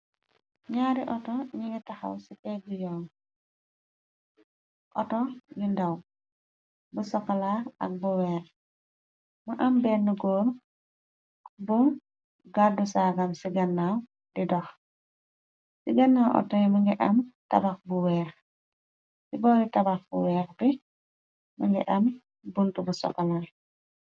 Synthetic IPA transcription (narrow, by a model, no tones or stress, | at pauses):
ɲaːɾiʔɔtɔɲiŋɡitaxa̰wsipɛbujɔːŋ | ʔɔtɔjindɐw | busɔkːɐlaɐ̰k̚buwɛːx | muʔɐmbɛnːuɡɔːɾ | buŋ | ɡadusaɡamsiɡɐnːaw | didɔx | siɡɐnːawʔɔ̰tɔjmɐŋɡɛʔamtɐ̰bak̚buwɛːx | sibɔːɾitɐbaxbṵwɛːɾbi | mɐŋɡɛ̰ʔam | buntubusɔ̰kːɐla